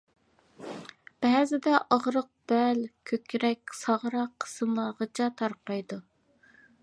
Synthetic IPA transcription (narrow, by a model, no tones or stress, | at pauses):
b̥ɛzɪd̪ɛʔɑʁɾəq̚b̥ɛlkʲʰøkʲɾɛkʲsɑʁɾɑqʰːə̥sɨmlˠɑʁət͡ʃʰɑt̪ʰɑɾqɑjd̪u